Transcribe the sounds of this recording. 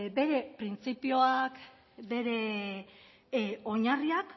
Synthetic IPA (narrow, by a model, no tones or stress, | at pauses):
be̞ɾe̞pɾint͡sipio̞ak | be̞ɾe̞ | o̞ɲariak